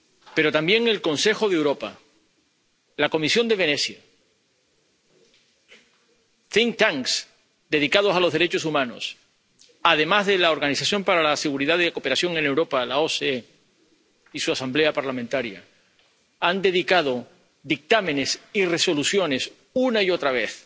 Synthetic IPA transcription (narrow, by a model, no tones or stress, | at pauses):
pe̞ɾo̞t̪ambje̞ŋe̞lko̞nse̞xo̞ðewɾo̞pa̰ | lako̞misjo̞nd̪e̞βe̞ne̞θja | θiŋkt̪aŋs | d̪e̞ðikað̞o̞salo̞zðe̞ɾe̞t͡ʃo̞sumãno̞̰s | aðe̞mazðe̞lao̞ɾɣaniθaθjõ̞mpaɾalase̞ɣuɾiðaðeko̞peɾaθjo̞ŋe̞ne̞wɾo̞palao̞see | isuasamble̞apaɾlamẽnt̪aɾja̰ | and̪e̞ðikað̞o̞ | d̪ik̚t̪amẽ̞ne̞sire̞so̞luθjo̞ne̞s | unaio̞t̪ɾaβ̞e̞θ